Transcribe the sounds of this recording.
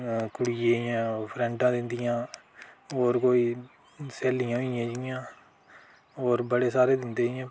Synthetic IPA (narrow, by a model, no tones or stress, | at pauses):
kʊɽieːãːpʰɾɛ̃ɳʈãːd̪ɪnd̪ɪjãː | oːɾkoːiː | seːlijãːɦɪjãːd͡ʒijãː | oːɾbəɽeːsaːɾeːd̪ɪnd̪eːjãː